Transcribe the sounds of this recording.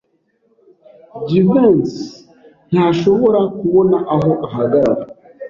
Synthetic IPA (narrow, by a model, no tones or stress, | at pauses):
ɟivuns | n̥haʃo̞βo̞ɾakuβo̞naʔaɦo̞ʔaɦaɡaɾaɾa